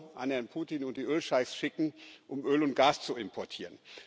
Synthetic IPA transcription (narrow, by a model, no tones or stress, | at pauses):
ʔanhɛɐnpʰuːtiːnʊnt̚d̥iːʔøːlʃaɪsʃɪkŋ̩ʔʊmʔøːlʊnt̚ɡ̥aːst͡suɪmpʰɔɐtʰiːʁən